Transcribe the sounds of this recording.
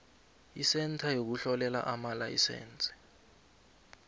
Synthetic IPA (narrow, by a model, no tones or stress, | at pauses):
isɛntʰajok̬uɬɔlɛla̰ʔamalajḭsɛ̰ːnt͡sʼɛ̥